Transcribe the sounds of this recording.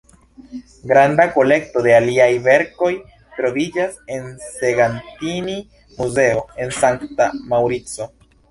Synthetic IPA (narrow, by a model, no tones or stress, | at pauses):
ɡɾandako̞le̞k̚to̞de̞aliajve̞ɾko̞j | tɾo̞vid͡ʒase̞nse̞ɡantini | muze̞o̞e̞nsaŋktamawɾit͡so̞